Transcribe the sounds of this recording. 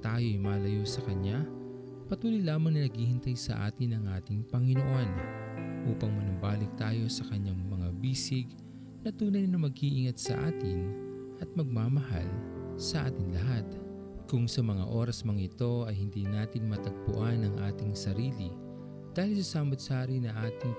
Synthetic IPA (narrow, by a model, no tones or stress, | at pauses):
t̪aːjo̞ʔɐjmaːlɐjo̞sɐkɐɲa | pɐt̪uːlojlaːmɐŋnɐnɐɡhiːhɪnt̪ɐjsɐ̰ʔa̰ːt̪ɪnɐŋʔaːt̪ɪŋpɐŋɪnoʔonʔuːpɐŋmɐnʊbaːlɪk̚t̪aːjo̞sɐkɐɲaŋmɐŋabiːsɪɡ | nɐt̪uːnɐjnɐmɐɡiʔɪŋɐt̪̚sɐ̰ʔaːt̪ɪnʔɐt̪̚mɐɡ̚maːmɐɦa̰lsɐʔaːt̪ɪŋlɐɦat̪ | kʊŋsɐmɐŋa̰ʔo̞ːɾɐsmɐŋɪt̪o̞ɐjhɪnd̪iːnaːt̪ɪŋmɐt̪ɐɡ̚pʊ̰ʔanɐŋʔaːt̪ɪŋsɐɾiːlɪ | d̪̥aːhɪlsɐsaːmot̪̚saːɾinɐʔaːt̪ɪŋ